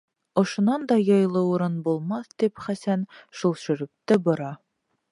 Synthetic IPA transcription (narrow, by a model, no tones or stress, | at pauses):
ŏʃŏnɑnd̪ɒjɤ̆jlˠɤuɾɤnbulˠmɑθd̪ipχæsænʃulˠʃɵ̆ɾɘ̆p̚t̪ɘbŏɾɑ